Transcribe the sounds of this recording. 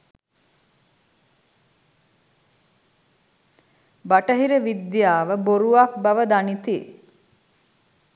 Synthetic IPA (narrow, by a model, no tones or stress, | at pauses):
baʈəɦiɾəʋid̪jaːʋəboɾuak̚baʋəd̪anit̪i